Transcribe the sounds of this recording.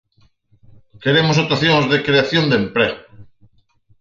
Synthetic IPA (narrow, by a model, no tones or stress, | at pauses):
keɾemos̬ot̪aθjoŋzðekɾeaθjond̪empɾeɣo